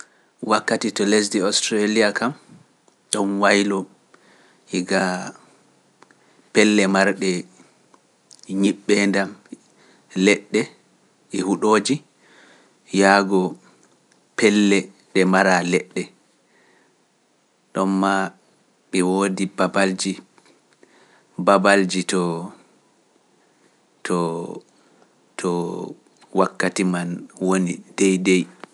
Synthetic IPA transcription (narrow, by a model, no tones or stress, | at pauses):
wakːatitɔles̬diɔstɾalijakam | ɗɔnwajlɔ | iɡa | pɛlːɛmaɾɗɛ | ɲiɓːɛndam | lɛɗːɛ | ʔɛhuɗoːd͡ʒi | jaːɡɔ | pɛlːɛ | ɗɛmaɾalɛɗːɛ | ɗɔmːa | ɓɛwodibabald͡ʒi | babald͡ʒitɔ | tʰɔ | tʰɔ | wakːatimanwonidɛjdɛj